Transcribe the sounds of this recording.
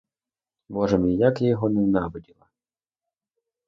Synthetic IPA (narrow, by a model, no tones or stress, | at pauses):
mɔʒɛmijakjɔɦɔnɛnɑbɔdʲilˠɐ